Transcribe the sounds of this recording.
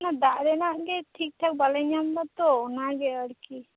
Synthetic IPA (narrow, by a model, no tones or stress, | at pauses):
nad̪aʔɾɛnaʔɡɛʈʰik̚ʈʰak̚balaɲambat̪ɔɔnaɡɛəɽki